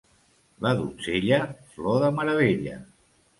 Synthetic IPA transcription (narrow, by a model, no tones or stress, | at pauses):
ləðṵseʎəflɔðəməɾəβ̞eʎə̰